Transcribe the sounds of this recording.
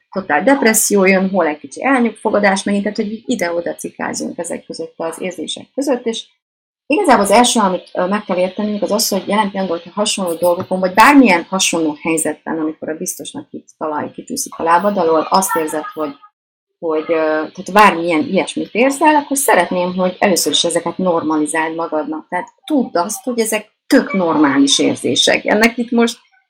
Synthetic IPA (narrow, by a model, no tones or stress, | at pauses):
t̪o̞t̪aːld̪ɛpɾɛsːijoːjønɦolɛckit͡ʃḭʔɛlɲøkfo̞ɡɒd̪aːʃmɛɡint̪aːt̪ʰho̞ɟiɟid̪ɛod̪ɒt̪sika̰ːzṵŋkɛzɛ̰kːø̞zø̞t̪ːɒzḛːrzḛːʃɛ̰kːø̞zøt̪ːeːʃ | iɡɒzaːbolɒzɛlʃøːɒmit̪ːmɛkːɛleːrt̪ɛnyŋkɒzɒsho̞ɟjɛlɛnt̪iɒnd̪olot̪oɦɒʃo̞nloːd̪o̞lɡo̞ko̞ɱvɒɟbaːrmijɛnhɒʃo̞nloːhɛjzɛd̪̚bɛ̰nɒmiko̞ɾɒbist̪oʃnɒkːit̪ːɒlɒ̰jkit̪y̰ːzikɒlaːbɒd̪ɒlo̞lɒst̪eːrzɛt̪ho̞ɟ | ho̞ɟt̪aːt̪baːrmiɛnḭjɛʃmit̪eːrzɛlɒkːorsɛɾɛt̪neːmɦo̞ɟɛløːsøɾiʃɛzɛkɛt̪no̞rmɒlizaːld̪mɒɡɒd̪nɒk̚t̪ɛɦaːt̪ːud̪ːɒst̪ho̞ɟɛzɛk̚t̪ø̞kno̞rmaːliʃḛːrzḛːʃɛ̰kɛ̰nːɛkit̪mo̞ʃt̪̚